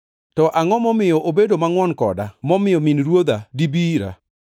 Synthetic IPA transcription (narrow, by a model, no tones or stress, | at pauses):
tɔʔaŋɔmɔmɪjɔʔobedomaŋwɔnkɔ̰damɔmɪjɔminɾwod̪adibiɾa̰